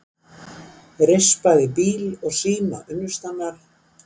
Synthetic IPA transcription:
ɾespaðɪpiːlɔɣsiːna̰ʔʏnːʏst̪anːaɾ̥

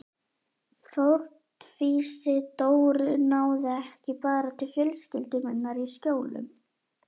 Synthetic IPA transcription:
θowɾ̥t̪fiːsɪt̪oːwɾʏnaːwðɪɛhcɪpaːɾat̪ʰɪlfjœlscɪlt̪ɪmɛnːaɾiscoːwlʏ̰m

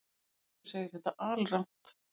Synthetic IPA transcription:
seːjɪ̥ɾ̥θɛht̪ːaʔaːlran̥t̪

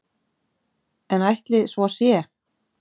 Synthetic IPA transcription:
ɛnajht̪lɪsvɔasjɛ

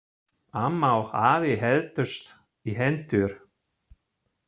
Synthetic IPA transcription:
amːawhaːvɪɦɛðt̪ʏst̪ | iɦɛnt̪ʏɾ̥

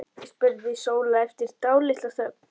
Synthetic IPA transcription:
spʏɾvɪsoːwlaɛft̪ɪɾ̥t̪aːwlɪht̪aθa

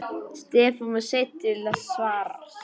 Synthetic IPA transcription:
st̪ɛːfanmaset̪ɪlasvaːɾa̰

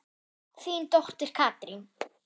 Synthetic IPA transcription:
θint̪oht̪ɪɾ̥kʰaːt̪ɾin

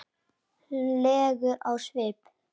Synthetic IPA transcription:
lɛːɣʏʔawsvejp

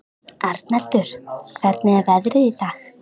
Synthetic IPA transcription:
aɾt̪nɛl̥t̪ʏɾ̥kʰvɛɾt̪nɪɛvɛðɾɪðiθaːx

